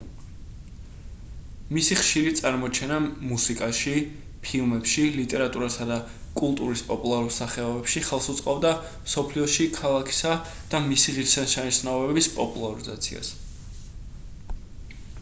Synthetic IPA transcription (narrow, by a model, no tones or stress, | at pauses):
misiχʃiɾit̪sʼaɾmɔt͡ʃʰɛnamusikʼaʃi | pʰilˠmɛpʃilit̪ʼɛɾat̪ʼuɾasad̪a | kʼulˠt̪ʼuɾispʼɔpʼulˠaɾulˠsaχɛɔbɛpʃiχɛlˠsut̪sʼqʼɔbd̪a | msɔpʰliɔʃikʰalˠakʰi̥sa | d̪̥amisiʁiɾsɛnʃaniʃnaɔbɛɛbispʼɔpʼulˠaɾizat̪sʰḭa̰s